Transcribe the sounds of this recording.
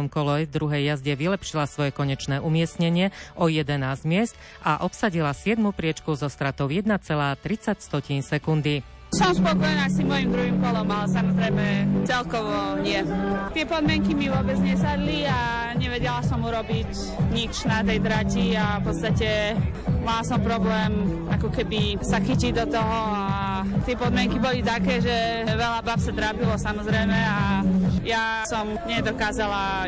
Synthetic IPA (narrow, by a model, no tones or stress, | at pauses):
mkɔlɛd̪ɾuɦɛjːazɟɛʋilɛpʃilasʋɔjɛkɔɲɛt͡ʃnɛːʔumɪɛsɲɛɲɪɛʔɔjɛd̪ɛnaːzɟmɪɛst̪ | aʔɔpsaɟilasɪɛd̪mupɾɪɛt͡ʃkuzɔst̪ɾat̪ɔʊjɛd̪nat͡sɛlaːt̪ɾit͡sacst̪ɔcinsɛkund̪i | sɔmspɔkɔjɛnasimɔjimd̪ɾuɦimkɔlɔmalɛsamɔzɾɛjmɛt͡sɛlkɔʋɔɲɪɛt̪ɪɛpɔd̪mɪɛŋkimiʋʊɔbɛd͡zɲɛsad̪lia | ɲɛʋɛɟɛlasɔmuɾɔbic | ɲit͡ʃnat̪ɛjt̪ɾaciafpɔt̪st̪acɛ | malasɔmpɾɔblɛːm | a̰kɔkɛbisaxiciɟd̪ɔt̪ɔɦɔa | t̪ɪɛpɔd̪mɪɛŋkibɔlit̪akɛːʒɛʋɛlabapsat̪ɾaːpilɔsamɔzɾɛjmɛajasɔmɲɛd̪ɔkaːzala